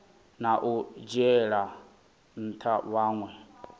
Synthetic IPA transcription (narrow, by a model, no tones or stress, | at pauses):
naʔud͡ʒɛɺa | n̩tʰawaːŋwɛ